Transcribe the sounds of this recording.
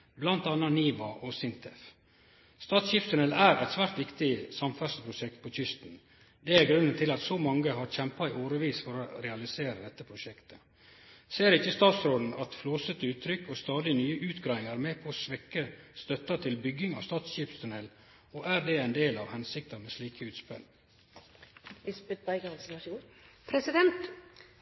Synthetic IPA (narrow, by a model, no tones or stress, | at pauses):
blɑnt̪ɑnːɑniːʋɑʔɔsɪnt̪ʰɛf | st̪ɑːt̪sçiːpst̪ʊnɛlæːɾʔɛ̰t̪sʋæːɾʈ̪ʋɪkt̪ɪsɑmfæʂəpʰɾʊʃɛk̚t̪̚pʰɔt͡ʃʏst̪n | d̪ɛæɾɡɾʉnːənt̪ʰɪlɑt̪sɔmɑŋːəɦɑɾçɛmpɑɪʔoːɾəʋiːsfɔɾoɾɛɑlɪseːɾəd̪ɛt̪ːəpʰɾʊʃɛkt̪ʰə̥ | seːɾɪçːəst̪ɑːt̪sɾoːd̪n̩ɑt̪floːsət̪əʉːt̪ʰːɾʏkːɔst̪ɑːd̪ɪnyːəʔʉːt̪ɡɾɑːɪŋɑɾmeːpʰɔsʋɛkːəst̪œt̪ːɑt̪ʰɪlbʏɡɪŋɑ̰ʋst̪ɑːt̪sɕiːpst̪ʰʉnɛl | oːʔæːɾd̪ɛæɪnd̪eːlɑʋhɛnsɪk̚t̪əɾmɛsliːkʰəʉːt̪spɛ̰l | ɪsbɪt̪bæɪɡənsnɑuːpʰɾɛsɪd̪ɛnt̪